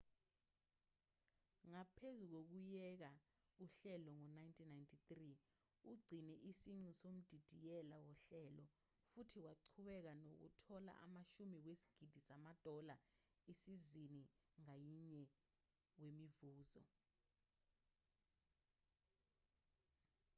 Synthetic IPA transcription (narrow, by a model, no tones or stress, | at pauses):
ŋapʰezuk̬ok̬ujɛk̬a | uɬɛlɔŋɔnajntʰinajntʰitri | uɡ͡ǀʱinɛʔisiŋ͡ǀusom̩d̥ʱid̥ʱijɛlawɔɬɛlɔ | futʰiwaǀʰuɓɛk̬anok̬ṵtʰɔla̰ʔamaʃumik̬wesi̥ɡ̥ʱid̥ʱisamad̥ʱɔla | isiziniŋajiɲɛ | wemivuːzɔ̰